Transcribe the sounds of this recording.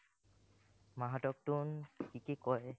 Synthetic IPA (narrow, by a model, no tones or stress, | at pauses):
maɦatɔk̚tunkikekɔj